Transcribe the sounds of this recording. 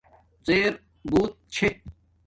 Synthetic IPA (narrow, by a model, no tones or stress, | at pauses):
t͡seːɾ | buːt̪̚t͡ɕʰe